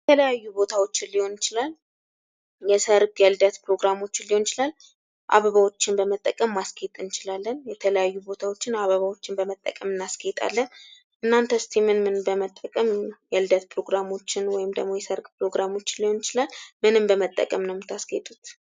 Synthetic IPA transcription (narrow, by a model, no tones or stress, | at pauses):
jɛjɛt̪ʰələjajːubo̞t̪ʰawo̞t͡ʃːɪnliho̞nɪt͡ʃɪlal | jɛsəɾɡʼjɛld̪ət̪pɾo̞ɡɾamo̞t͡ʃːɪnliho̞nt͡ʃɪlal | ʔa̰βəβawo̞t͡ʃːɪnbəmət̪ʼːəkʼəmːaskʰet̪ʼɨnt͡ʃɪlalːənjɛt̪ʰələjajːubo̞t̪ʰawot͡ʃːɪnaβəβawo̞t͡ʃːɪnbəmət̪ʼːə̰kʼəmɨnːaskʰet̪ʼa̰lːən | ʔɨnːant̪ʰəst̪ʰemɨnmɨnbəmət̪ʼːəkʼəmjɛlɨd̪ət̪pʰɾo̞ɡɾamo̞t͡ʃːɪnwɔjɪmd̪ə̰ɡmo̞jɛsəɾɡʼpɾo̞ɡɾamo̞t͡ʃːɪnlːiho̞nɪt͡ʃɪlalmɨnɨmbəmət̪ʼːə̰kʼəmnəwmɨt̪ʰaskʰet̪ʼut̪